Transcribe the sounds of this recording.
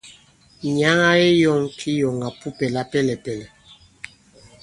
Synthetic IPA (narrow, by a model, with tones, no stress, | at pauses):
ɲa˨˦ŋa˦e˦jɔ˦˨ŋkʰi˦jɔ˨ŋa˨pu˦pɛ˨la˦pɛ˦lɛ˨pɛ˨lɛ˨